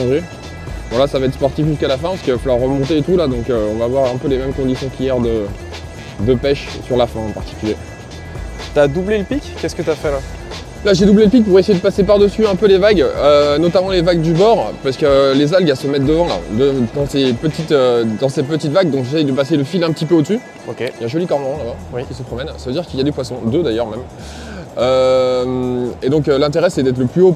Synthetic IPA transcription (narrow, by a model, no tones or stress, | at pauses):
ʒe | bɔ̃lasavaɛt̪χspɔʁt̪ifʒyskalafɛ̃paskivafalwaʁːəmɔ̃t̪eːt̪ulad̪ɔ̃køɔ̃vaːvwaʁɛ̃pølemɛmkɔ̃d̪isjɔ̃kʲijɛʁd̪ə | d̪əpɛʃsyʁlafɛ̃ɑ̃paʁt̪i̥kʲylje | t̪yad̪ubleləpikʲkːɛskət̪yafɛla | laʒed̪ubleləpik̚puʁesejed̪əpasepaʁd̪əsyɛ̃pølevaɡønɔt̪amɑ̃levaɡ̚d̪ybɔʁpɥaʁsəkəlezalɡasəmɛt̪̚d̪əvɑ̃la̰d̪əd̪ɑ̃sepət̪it̪ød̪ɑ̃sɛpət̪it̪vaɡ̚d̪ɔ̃kʒesɛjd̪əpaseləfilɛ̃pət̪ipøod̪əsy | okʲeljãʒɔlikɔʁməʁɔ̃labawikʲi̥səpχɔmɛnsavød̪iʁkiljad̪epwasɔ̃d̪ød̪ajœʁmɛm | ømed̪ɔ̃klɛ̃t̪eʁɛsɛd̪ɛt̪χləplyo